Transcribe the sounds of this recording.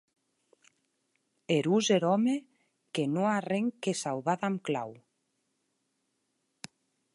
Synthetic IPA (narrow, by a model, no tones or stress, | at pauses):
eɾuzeɾɔme | kenoareŋkesawðaðamkla̰w